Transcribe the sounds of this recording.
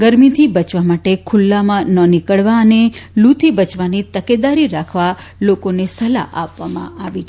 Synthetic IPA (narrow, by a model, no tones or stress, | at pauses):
ɡəɾmit̪ʰibət͡ʃʋamaʈekʰʊlːamãnənɪkəɭʋaənelut̪ʰibət͡ʃʋanit̪əked̪aɾiɾakʰʋa | lokonesəla̰ʔapʋːamã̰aʋit͡ʃʰ